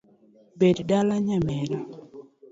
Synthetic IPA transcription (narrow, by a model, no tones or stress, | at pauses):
beddalaɲamɛɾɔ